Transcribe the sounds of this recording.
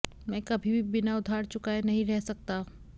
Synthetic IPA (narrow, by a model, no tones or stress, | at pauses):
mɛ̃ːkɐbʱibʱibɪnaʊd̪ʱaːɾt͡ʃʊkaenɐɦĩɾɛɦsɐk̚t̪a